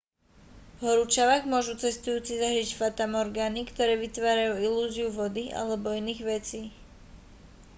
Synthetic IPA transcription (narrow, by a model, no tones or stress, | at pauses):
ɦɔɾut͡ʃaʋaɣmʊɔʒut͡sɛst̪ujuːt͡sizaɦɾicfat̪amɔɾɡaːnikt̪ɔɾɛːʋit̪ʋaːɾajuːiluːziuʋɔd̪iʔa̰lɛbɔiniːɣʋɛt͡siː